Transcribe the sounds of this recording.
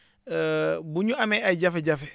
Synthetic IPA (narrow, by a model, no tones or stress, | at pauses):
buɲuameaɟafeɟafe